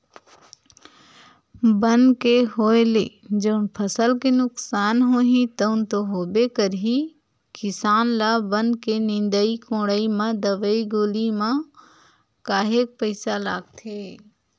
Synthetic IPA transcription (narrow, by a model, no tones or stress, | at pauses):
bənkeɦoːeled͡ʒɐʊnpʰɐsəlkenʊksaːnɦoːɦĩt̪ɐʊnt̪oɦoːbekəɾɦi | kɪsaːnlabənkenɪ̃nd̪əikõːɽimãd̪əʋəiɡoːlimã | kaːɦeːk̚pəɪsalaːɡ̚t̪ʰeː